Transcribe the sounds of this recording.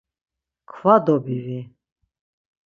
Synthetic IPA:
kʰvad̪ɔbiɾi

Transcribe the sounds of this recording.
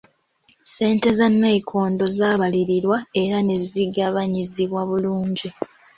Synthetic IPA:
se̞ːnte̞zanːeːkʰo̞ːndo̞zaːβaliɾiɾwae̞ɾane̞ziɡaβaɲiziβwaβuluːɲɟi

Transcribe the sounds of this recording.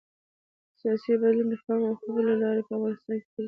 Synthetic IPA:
sijɑsibalund̪əxamawxəzəlalɑɾepəafɣɑnɪst̪ɑnke

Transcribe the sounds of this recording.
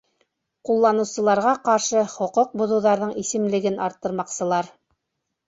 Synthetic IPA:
qulˠːɑnɤ̆wsɤ̆lˠɑɾʁɑqɑɾʃɤχŏqoq̚bŏðŭwðɑɾðɤɴisɘ̆mlɘ̆ɡɘnʔɑɾt̪ːɤ̆ɾmɑqsɤ̆lˠɑɾ

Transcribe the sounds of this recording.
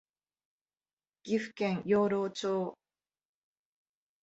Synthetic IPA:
ɡ̥ʲiɸɯ̟̥kẽŋjoːɾoːt͡ɕoː

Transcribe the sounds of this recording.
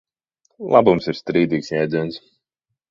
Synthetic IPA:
lˠabumsiɾst̪ɾiːd̪iːksjɛjd̪zɨns

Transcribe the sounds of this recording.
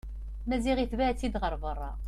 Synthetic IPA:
mæziʁiθvaʕt͡sːid̪ʁəɾˤvərˤːɑ̰

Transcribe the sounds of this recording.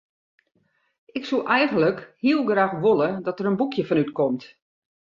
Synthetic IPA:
ʔɪksuʔɛjɣən̩ləkhiəlˠɡraːxʋolˠədɔtəɾənbukʰjəfɔnytkɔmt

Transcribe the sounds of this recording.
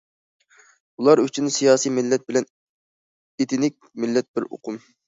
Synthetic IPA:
ulˠɑɾyt͡ʃʰynsijɑːsijmɪlːɛt̪̚bɪlɛn | et̪ʰɪnɪk̚ʲmɪlːɛt̪̚b̥ɪɾo̰qʰʊm

